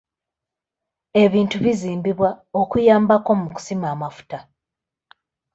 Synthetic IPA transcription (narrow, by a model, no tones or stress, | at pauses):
e̞βiːntuβiziːmbiβwao̞kujaːmbako̞muku̥simaːmafu̥ta